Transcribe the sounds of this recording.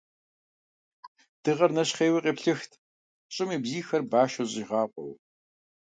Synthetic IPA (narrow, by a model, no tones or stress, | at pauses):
d̥ɨʁɐrnɐɕχeːwiqʼeːpɬɨxtʰ | ɕʼɪmiːbziːxɐrbaːʃɐɕʼɪʁɑːqʷʼɔ̰w